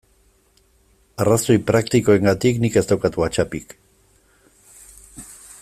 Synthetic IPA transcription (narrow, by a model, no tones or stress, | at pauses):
araso̞jpɾakt̪iko̞e̞ŋɡat̪iknike̞st̪awkat̪uat͡ʃapik